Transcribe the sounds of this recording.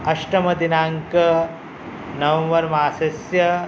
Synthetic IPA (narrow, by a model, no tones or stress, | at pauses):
ɐʃʈɐmɐd̪inaːŋkɐ | nɐʋɐ̃mʋɐɾmaːsɐsjɐ